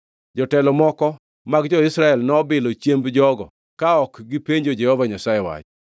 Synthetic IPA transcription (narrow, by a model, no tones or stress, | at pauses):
d͡ʒɔtɛlɔmɔkɔ | maɡd͡ʒɔɪsɾaɛlnɔbɪlɔt͡ʃjembd͡ʒɔɡɔ̰ | kaɔkɡipeɲd͡ʒod͡ʒɛhɔvaɲasajɛwa̰t͡ʃ